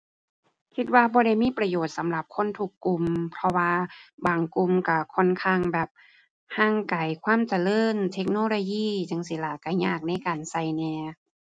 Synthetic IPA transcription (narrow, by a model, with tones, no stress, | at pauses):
kʰi˧t̪̚waː˧bɔː˧˦ɾa˧˩jmiː˧˥˨pɾa˧joː˨˩t̪̚sa˨˦mla˧˩p̚kʰo˧˥˨nt̪ʰu˧˩kːu˧˨mpʰɔ˧waː˧baː˨˩ŋku˧˨mka˧˩kʰɔ˧˨nkʰaː˧˩˨ŋbɛː˨˩p̚ | haː˧˥˩ŋka˨˩jkʰwaː˧˥˨mt͡ɕa˨˧˨lɤː˧˥˨nt̪ʰe˧˥k̚noː˧˨loː˧jiː˧˩˨t͡ɕa˧˨ŋs̬i˧˦laː˨˩ka˧˩ɲaː˧˩k̚na˧˥˨jkaː˨˩nsa˧˩jnɛː˧